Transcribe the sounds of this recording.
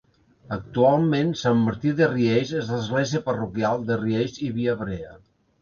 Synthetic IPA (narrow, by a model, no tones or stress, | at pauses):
ək̚t̪ualˠmensamːəɾt̪iðeriezezləzɣlɛziəpərukjalˠd̪əriejziβiəβɾeə